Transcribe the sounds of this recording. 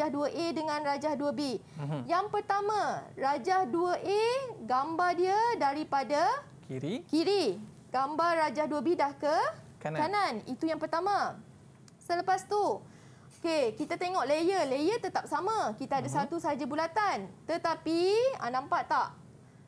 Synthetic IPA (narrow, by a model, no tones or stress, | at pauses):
ahduəʔedəŋãnrad͡ʒahduəbejaŋpərt̪amãrad͡ʒahduəʔeɡambardiədaɾipada | kiɾikiɾi | ɡ̥ambarrad͡ʒahduəbedahkə | kkananit̪ujaŋpərt̪amã | sələpast̪u | okekit̪at̪eŋɔʔlejəlejət̪ət̪ap̚samãkit̪aadasat̪usaɦad͡ʒabulat̪ant̪ət̪apia̰nãmpaʔt̪ːaʔ